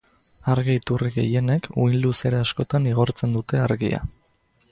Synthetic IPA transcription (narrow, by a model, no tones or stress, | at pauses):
aɾɣiit̪uriɣe̞̰je̞ne̞kʰujnluse̞ɾeasko̞t̪aniɣ̞o̞ɾt͡se̞nd̪ut̪e̞aɾɣḭa̰